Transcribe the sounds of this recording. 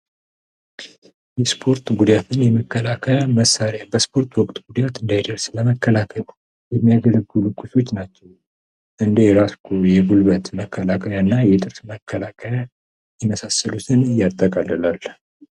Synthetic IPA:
jɛspʰo̞ɾt̪ɡud̪jat̪ʰɨnjɛməkːəlakʰəməsːaɾjabəspʰo̞ɾt̪wɔkʼt̪ʼɡud̪jat̪ɨnd̪ajd̪əɾsləməkːəlakʰəl | jɛmːijaɡələɡːɨlukʼːuso̞t͡ʃːnat͡ʃːɛw | ʔɨnd̪ejɛɾaskʰujɛɡulbət̪məkʰːəlakʰəjanːajɛt̪ʼɨɾsməkʰːəlakʰəja | jɪməsasːəlut̪ʰɨnjːat̪ʼːəkʼalːəlal

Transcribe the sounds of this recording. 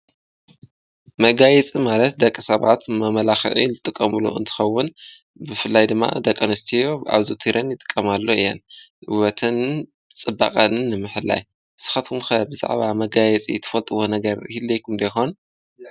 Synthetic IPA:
mɐɡajɛt͡sʼimalɐt̪̚d̪ɐkʼːisɐβa̰t̪mɐmɐlaxɨ̰ʕḭzɨt̪ʼɨkʼːɐmɨlṵɨ̰nt̪ʰɨ̥xɐwːʊn | bɨfɨlːajd̪ɨmːa̰d̪ɐkʼɐnɨst̪ʰijoa̰βzot̪ʰiɾʔɐnjɨt̪ʼɨ̥kʼːɐmalːoɨjːɛ̰n | ʔɨwɐt̪ʰɨn | t͡sʼɨbːa̰χʼɐnɨnːɨmɨħɨlːa̰j | sɨ̥xɐt̪kʰumxɐbɨza̰ʕβamɐɡajɛt͡sʼḭt̪ʰɨ̥fɐlt̪ʼɨwo̞nɐɡɐɾhilːɐjkʰumd̪ɐjxon

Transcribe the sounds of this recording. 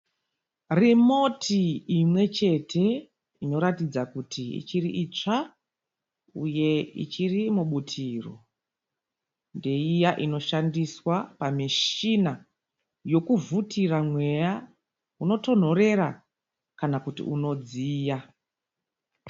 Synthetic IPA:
rimo̞tʰiːmwe̞t͡ʃe̞tʰe̞ | ino̞ɾatid͡zakutʰiḭt͡ʃiriʔit͡ʂa | uje̞ḭt͡ʃirimuɓutʰiːro̞̰ | nde̞ijaʔino̞ʃandiswapamiʃina | jo̞kuvutʰiramwe̞ja | uno̞to̞n̤o̞re̞ra | kanakutḭʔuno̞d͡ziːja

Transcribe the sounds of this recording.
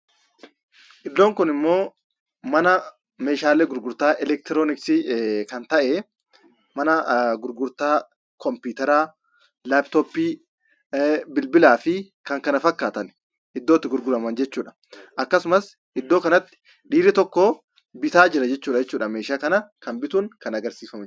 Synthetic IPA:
ʔɪd̪ːo̞ːŋkʊnɪmːo̞ː | mɐnɐ | meːʃaːlːeɡʊɾɡʊɾt̪aːʔɛlɛk̚t̪ɪɾoːnɪksɪkɐnt̪ɐʔɛ | mɐnɐɡʊɾɡʊɾt̪aː | kɔmpuːt̪ɛɾaː | labt̪oːpːiː | bɪlbɪlaːfɪ | kɐŋkɐnɐfɐkːaːt̪ɐn | ʔɪd̪ːoːt̪ːɪɡʊɾɡʊlɐmɐnd͡ʒɛt͡ʃːuːᶑɐ̥ | ʔɐkːɐsʊmɐs | ɪd̪ːoːkɐnɐt̪ːɪ̥ | ᶑiːɾɪt̪ɔkːoː | bɪt̪aːd͡ʒɪɾɐd͡ʒɛt͡ʃːuːᶑɐd͡ʒɛt͡ʃːuːᶑɐme̞ːʃaːkɐnɐkɐnbɪt̪uːŋkɐnɐɡɐɾsiːfɐmɪ

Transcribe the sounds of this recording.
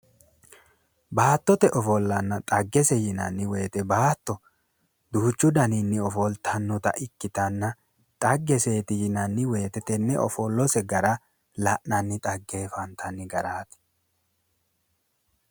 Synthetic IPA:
baːt̪ːɔt̪ɛʔɔfɔlːɐnːɐt̪ʼɐɡːɛsɛjɪnɐnːɪweːt̪ɛbaːt̪ːɔ | d̪uːt͡ʃːʊd̪ɐninːɪɔfɔlt̪ʰɐnːʊt̪ɐ̰ʔɪkːɪt̪ɐnːɐ | t̪ʼɐɡːɛseːt̪ɪjɪnɐnːɪweːt̪ɛt̪ɛnːɛɔ̰fɔlːɔsɛɡɐɾɐ | lɐʔnɐnːɪt̪ʼɐɡːeːfɐnt̪ʰɐnːɪɡɐɾaːt̪ɛ̥

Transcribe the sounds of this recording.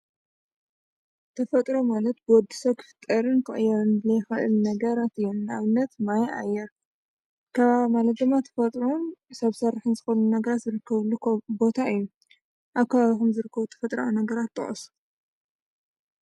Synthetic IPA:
t̪ʰɐfɐt̪ʼɾomalɐt̪̚bɨwɔd̪ːisokʰɨ̥fɨ̥t̪ʼːɐɾɨnkʰɨʔʼɨjanbɨlɐjxɨʔɨ̰lnɐɡɐɾat̪ɨjːɛnaβɨnːɐt̪majʔa̰jːɛɾ | kʰɐβamalɐt̪̚d̪ɨmːat̪ʰɐ̥fɐt̪ʼɾonsɐβsɐrːɨħɨnzɨxo̞nunɐɡɐɾat̪zɨɾɨkʰːɐβɨlːubo̞t̪ʰaɨjːu | ʔaβkʰɐβaβixumzɨɾɨkʰːɐβut̪ʰɐ̥fɐt̪ʼɾa̰wnɐɡɐɾat̪ːʼɨ̰χʼɐ̰su̥

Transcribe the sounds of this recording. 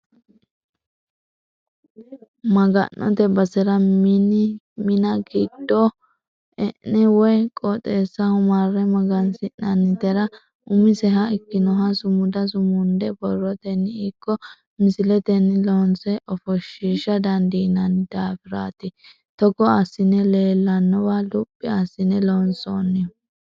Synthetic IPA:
mɐɡɐ̰nːɔ̰t̪ɛbɐsɛɾɐn | mɪnɐɡiːd̪̥ːɔ | ɛʔnɛwɔjkʼɔt̪ʼeːsːɐhʊmaːɾːɛmɐɡɐnsɪnnɐnːɪt̪ɛɾɐ | ʔʊmɪsɛɦɐɪkːɪnɔɦɐsʊmʊd̪ɐs̬ʊmʊnd̪ɛbɔrːɔt̪ɛnːɪkːɔ | mɪsɪlɛt̪ɛnːɪlɔnsɛʔɔfɔʃːiʃɐd̪ɐnd̪inɐnd̪aːfɪɾa̰ːt̪ɪ | t̪ɔɡɔɐsːɪnɛleːlːɐnːɔwalʊpʼːɪɐsːɪnɛlɔnso̰ːnːɪ

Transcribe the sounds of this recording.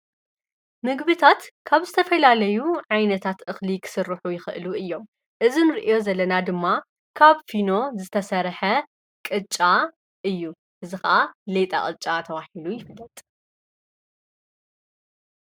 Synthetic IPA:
mɨɡβɨt̪ʰat̪kʰaβzɨt̪ʰɐfɐlalɐjuʕajnɐt̪ʰat̪ʔɨxlikʰɨ̥sɨrːɨħujɪxɨʔɨluɨjːo̞m | ʔɨzinɨɾɨʔijo̞zɐlːɐnad̪ɨmːa | kʰaβfino̞zɨt̪ʰɐsɐɾħɐ | kʼɨt͡ʃʼa | ʔɨjːu | ʔɨzixɐʔalet̪ʼa̰χʼɨt͡ʃʼat̪ʰɐwaħilujɪfɨlːɐt̪ʼ

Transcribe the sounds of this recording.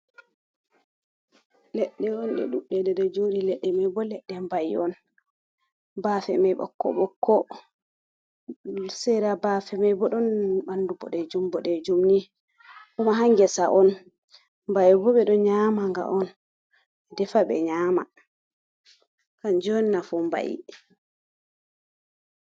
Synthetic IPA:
lɛɗːɛɔnɗɛ̰ɗuɓːɛdɛdɛd͡ʒodilɛɗːɛmajbɔlɛɗːɛmbajɔn | baːfɛmajɓɔ̰kːɔ̰ɓɔkːɔ | sɛɾabafɛmajbɔɗɔnɓandubɔ̰ɗɛd͡ʒumbɔɗɛd͡ʒumni | kumaɦaŋɡɛsaʔɔn | mbajbɔɓɛɗɔɲamaŋɡa̰ʔɔn | dɛfaɓɛ̰ɲaːma̰ | kand͡ʒɔninafumba̰jḭ

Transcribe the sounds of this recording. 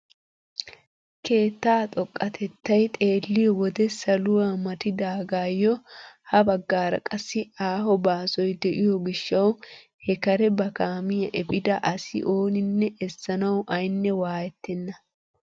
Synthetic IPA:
kʰe̞ːt̪ːaːt̪ʼɔkʼːɐt̪ʰɛt̪ːɐjt̪ʼe̞ːlːɪjɔwɔd̪ɛsɐlʊwamɐt̪ɪd̪aːɡaːjːɔhɐbɐɡːaːɾɐ̰kʼɐsːɪaːhɔbaːsɔjd̪ɛʔɪjɔɡɪʃːɐw | hɛkɐɾɛbɐkaːmɪjɐʔɛpʼɪd̪ɐʔɐsɪ̰ʔo̞ːnɪnːɛʔɛsːɐnɐwʔɐjnːɛwaːjɛt̪ːɛnːɐ

